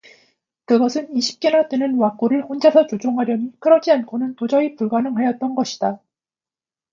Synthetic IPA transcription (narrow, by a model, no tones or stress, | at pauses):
kɯɡʌsʰɯniɕʰi̥p̚k͈enat͈enɯnwak͈oɾɯɭɸond͡ʑasʰʌt͡ɕod͡ʑoŋɦaɾjʌmikɯɾʌd͡ʑiankʰonɯntod͡ʑʌipuɭɡanɯŋɦajʌt̚t͈ʌnɡʌɕʰi̥d̥a